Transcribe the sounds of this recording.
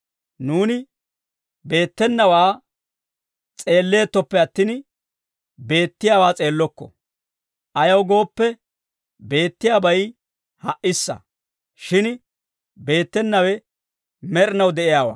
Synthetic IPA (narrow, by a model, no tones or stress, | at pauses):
nuːnɪ | be̞ːt̪ːɛnːɐwaː | t͡sʼe̞ːlːe̞ːt̪ːɔpːɛɐt̪ːɪn | be̞ːt̪ːɪjaːwaːt͡sʼe̞ːlːɔkːɔ̰ | ʔɐjɐwɡo̞ːpːɛ | be̞ːt̪ːɪjaːbɐj | hɐʔɪsːɐ̰ | ʃɪn | be̞ːt̪ːɛnːɐwɛ | mɛɾnɐwd̪ɛʔɪjaːwa̰ː